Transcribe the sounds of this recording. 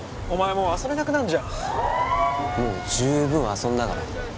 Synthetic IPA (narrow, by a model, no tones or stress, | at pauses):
o̞maemo̞ːaso̞be̞nakɯ̟nãnd͡ʑã | mo̰ːd͡ʑɨːbɯ̟̃ɰ̃asõ̞nd̪aɡa̰ɾa̰